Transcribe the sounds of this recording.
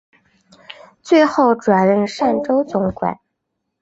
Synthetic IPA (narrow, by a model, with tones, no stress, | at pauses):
t͡swe˥˧ɪxo˥˩ʊʈ͡ʂwa˨˩nɻə˥˧nʂa˥˩nʈ͡ʂo˥ʊt͡sʊ˧˥ŋkwa̰˨˩˦n